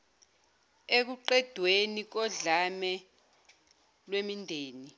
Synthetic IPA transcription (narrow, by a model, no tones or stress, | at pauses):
ek̬uǃɛd̥ʱwenik̬ɔɮamɛ | lwemindʱeːni